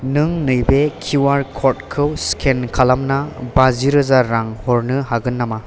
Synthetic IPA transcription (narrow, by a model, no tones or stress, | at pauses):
nɯŋnɯjbekʰuuwaɾkʰɔt̚kʰɯwskʰenkʰalamnabaziɾɯzaɾːaŋhɔɾnɯɦaɡɯnːama